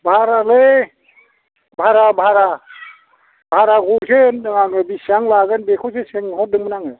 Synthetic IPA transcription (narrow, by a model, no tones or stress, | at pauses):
bʱaɾale | bʱaɾabʱaɾa | bʱaɾaɡusenabisaŋlaɡɯnbekʰɔseseŋhɔdɯŋmɯnaŋɯ